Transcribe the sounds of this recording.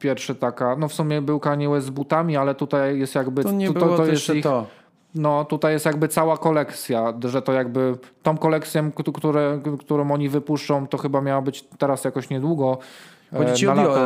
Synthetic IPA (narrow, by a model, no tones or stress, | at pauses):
pʲjɛɾfʂɛt̪akanɔfsumʲjɛbɘwkaɲɛwɛzbut̪amʲialɛt̪ut̪ajjjɛst̪jaɡbɘɲɛb̪ɔt̪ɔjɛst̪ɔ | nɔt̪ut̪ajɛst̪jaɡ̚bɘt̪sawakɔlɛkt̪sʲjaʐɛt̪ɔjaɡbɘt̪ɔ̃w̃kɔlɛk̚t̪sʲjɔkkt̪uɾɛkt̪uɾɔ̃wɔɲivɘpuʂt͡ʂɔ̃w̃t̪ɔxɘbamʲjawabɘt͡ɕt̪ɛɾasjakɔɕɲɛd̪wuɡɔ | ɔd͡ʑiala